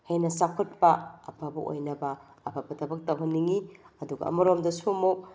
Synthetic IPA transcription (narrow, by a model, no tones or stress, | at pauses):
hejnɐsakʰot̚pɐɐ̰pʰabɐʔo̰jnɐbɐː | pʰabɐdɐbɐk̚tɐwɦɐnːiŋi | ɐduɡɐ̰ɐ̰mɐɾomdɐsumok̚